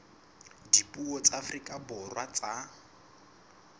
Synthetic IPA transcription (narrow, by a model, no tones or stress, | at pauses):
dipʼuɔt͡safrikʼabʊrwat͡sa